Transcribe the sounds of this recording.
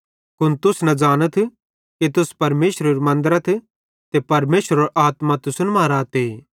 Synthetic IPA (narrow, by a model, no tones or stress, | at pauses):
kʊnt̪ʊsnɐd͡ʒaːñət̪ʰ | kit̪ʊspɐɾmeːsɾɐɾimɐ̃nd̪əɾət̪ʰ | t̪epɐɾmeːʃɾɐɾʔaːt̪mat̪ʊsʊnmaːɾaːt̪eː